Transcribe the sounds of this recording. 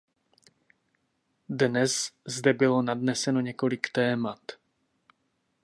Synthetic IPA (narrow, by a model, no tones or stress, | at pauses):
dnɛzzdɛbɪlo̞nadnɛsɛno̞ɲɛko̞lɪkt̪ɛːmat̪